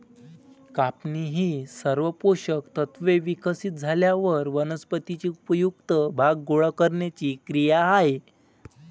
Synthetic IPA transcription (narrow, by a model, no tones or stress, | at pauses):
kapniɦiːsəɾʋəpoɕəkt̪ət̪ʰʋeʋikəsit̪̚d͡zʱaljaʋəɾʋənəspət̪it͡ɕiupəjukt̪əbʱaɡːoɭəkəɾɳjat͡ɕiːkɾijaɦaj